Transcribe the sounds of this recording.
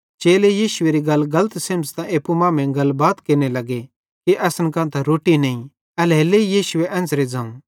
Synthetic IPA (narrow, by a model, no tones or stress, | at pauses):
t͡ʃeːlejiːʃʊeɾiɡɐlɡɐlət̪sẽːmst̪ãʔeːpːumãːmɛ̃ɡɐlbaːt̪keːnelɐɡe | kiʔɐsənkãːnt̪aɾoːʈinɐ̃ĩ | ɐleːleijiːʃʊeʔɐ̃nt͡sɾed͡zɐ̃m